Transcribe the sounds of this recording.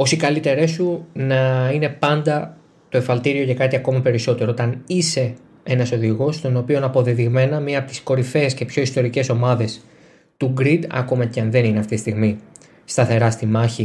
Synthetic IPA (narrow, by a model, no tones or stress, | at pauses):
o̞sikɐlit̪e̞ɾesunɐine̞pɐnd̪ɐ | t̪o̞efɐlt̪iɾio̞ʝɐkɐt̪iɐko̞mɐpe̞ɾiso̞t̪e̞ɾoot̪ɐnise̞ | e̞nɐso̞ðiɣo̞st̪o̞no̞pio̞nɐpo̞ðeðiɣme̞nɐmiɐpot̪isko̞ɾife̞ːsce̞pço̞ist̪o̞ɾice̞so̞mɐðe̞s | t̪uɡɾid̪ɐ̰komɐceɐnðe̞nineɐft̪it̪ist̪iɣmi | st̪ɐθe̞ɾɐst̪imɐçi